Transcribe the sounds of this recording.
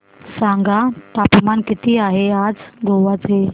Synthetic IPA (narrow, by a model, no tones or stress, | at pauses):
sãŋɡat̪apmankit̪iːaɦead͡zɡʱoʋat͡se